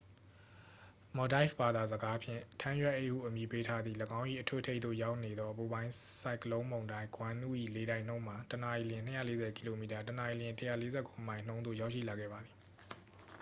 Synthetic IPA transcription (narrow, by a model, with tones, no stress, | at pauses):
mɔ˨da˦ɪfba˨d̪a˨zəɡa˦pʰjɪ̰̃˦˨tʰã˦jwɛ˦ʔe˦ʔkṵ˦˨ʔəmji˨pe˦tʰa˦d̪ðḭ˦˨ləɡã˦ʊ̃ʔḭ˦˨ʔətʰṵ˦tʰe˦ɪt̪ðo̰˦˨ja˦ʊʔne˨d̪ðɔ˦ʔəpu˨bã˦ɪ̃sa˦ɪkəlõ˦ʊ̃mõ˨ʊ̃ndã˦ɡwã˦nṵ˦˨ʔḭ˦˨le˨ɾã˦ɪ̃n̥õ˦ʊ̃ma˨təna˨i˨lɪ̃˨n̥ə˦jä̰˦˨le˦zɛ˨ki̥˨lo˨mi˨ta˨təna˨ji˨lɪ̃˨ntəjä̰˦˨le˦zɛ̰˦˨kʰo˨ʔəmã˨ɪ̃n̥õ˦ʊ̃nd̪o˦˨ja˦ʊʔʃḭ˦˨la˨ɡɛ̰˦˨ba˨d̪i˨